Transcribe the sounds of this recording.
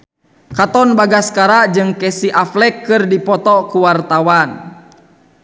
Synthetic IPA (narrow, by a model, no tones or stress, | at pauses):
kat̪ɔnbaɡaskaɾaʔd͡ʒɨŋkɛsiʔaflɛkːɨrdipɔt̪ɔkuwart̪awan